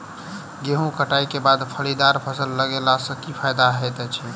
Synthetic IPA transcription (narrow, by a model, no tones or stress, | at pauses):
ɡeɦũkəʈaikebad̪pʰəlid̪aɾpʰəsəlːəɡelasə̃kipʰajd̪aɦet̪ɛt͡ʃʰɛ